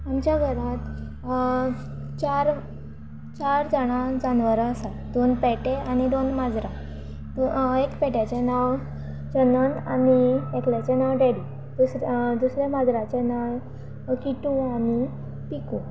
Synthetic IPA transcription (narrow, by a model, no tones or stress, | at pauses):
amt͡ɕjaɡʱəɾat̪ | t͡ɕaɾ | t͡ɕaɾd͡zəɽ̃ãd͡zanʋəɾəsa | d̪onpɛʈeañid̪onmad͡zɾã | ekpɛʈjat͡ɕenaʋ | d͡ʑənəna̰niekljat͡ɕenawɖeɽi | d̪usɾd̪usɾjamad͡zɾat͡ɕenaj | kiʈũani | pikũ